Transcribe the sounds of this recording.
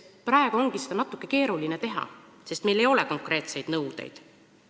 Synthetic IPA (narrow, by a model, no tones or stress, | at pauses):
prɑeɡ̥uo̞ŋɡ̥ise̞d̪ɑnɑt̪ːˑukːe̞ke̞ːɾulinet̪e̞ɦɑ̰ | se̞st̪me̞jle̞jo̞leko̞ŋkre̞ːt̪se̞jd̪̥nɤwd̪̥ḛjd̪̥